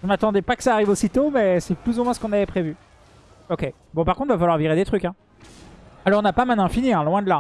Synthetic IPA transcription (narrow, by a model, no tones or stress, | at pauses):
ʒəmat̪ɑ̃d̪ɛpakə̥saːʁivosit̪omɛsɛplyzumwɛ̃sə̥kɔ̃navɛpχevy | ɔkʲe | bɔ̃paʁkɔ̃t̪vafalwaʁviʁed̪et̪χykʲɛ̃ | alɔʁɔ̃napamɛ̃nɛ̃finiɛ̃lwɛ̃d̪əla